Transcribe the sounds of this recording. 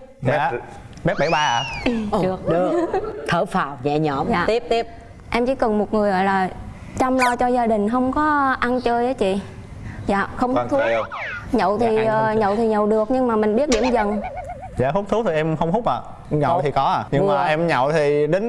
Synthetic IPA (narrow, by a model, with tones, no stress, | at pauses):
ɲaː˨˧˨ | ɓɛ˦˥ɓa˧˩jɓaː˧a˨˧˩ɨ˨˩ək̚ɨ˨˩ət̪ʰəː˧˩˦faː˨˩wɲɛ̰˧˨ɲɔ˧˩˦mja̰ː˨t̪i˦˥əp̚t̪i˦˥əp̚ | ʔɛ˧mt͡ɕi˧˩˦kə˨˩nmo˨˩t̚ŋɨ˨˩əjɣɔ̰˧˨jlaː˨˩ | t͡ɕa˧mlɔ˧t͡ɕɔ˧zaː˧ɗï˨˩ŋ̟ɦə˧wŋ͡mkɔ˨˦ʔa˧nt͡ɕəː˧jʔəː˨˦jt͡ɕḭ˧˨ | za̰ː˧˨xə˧wŋ͡mht̪ʰu˦˥ɲə̰˧˨wt̪ʰi˨˩˨ʔəː˨˩ɲə̰˧˨wt̪ʰi˨˩ɲə˨˩˨wɗɨ˨˩ək̚ɲɨ˧ŋmaː˨˩mï˨˩ŋ̟ɓi˦˥ət̚ɗi˧˩əmzə˨˩n | za̰ː˧˨hu˦˥k͡p̚t̪ʰu˨˦t̪ʰi˨˩ʔɛ˧mxə˧wŋ͡mhu˦˥p̚ʔa̰ː˧˨˩ | ɲə̰˧˨wt̪ʰi˨˩kɔ˨˦aː˧˩ɲɨ˧ŋmaː˨˩ʔɛ˧mɲə̰˧˨wt̪ʰi˨˩ɗe˨˦n